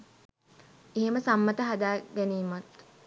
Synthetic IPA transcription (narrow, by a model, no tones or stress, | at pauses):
eɦeməsamːət̪əɦad̪aːɡæniːmat̪